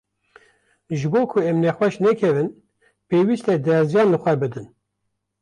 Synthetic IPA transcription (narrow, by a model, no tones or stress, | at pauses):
ʒɨboːkʰʊɛmnɛxwɛʃnɛkʰɛvɨn | peːwist̪ɛd̪ɛɾzjɑːnlɨxʷɛbɨd̪ɨn